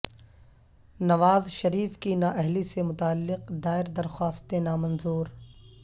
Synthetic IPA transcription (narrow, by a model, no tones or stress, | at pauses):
nɐʋaːzʃɐɾiːfkinaːʔɛɦlisemʊt̪aːlːɪqd̪aːɪɾd̪ɐɾxaːst̪enaːmɐ̃nzuːɾ